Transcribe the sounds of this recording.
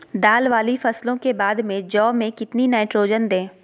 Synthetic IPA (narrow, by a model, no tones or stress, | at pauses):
d̪aːlʋaːlifɐslõkebaːd̪mẽd͡ʒɔːmẽkɪt̪ninaːɪʈɾoːd͡ʒənd̪ẽː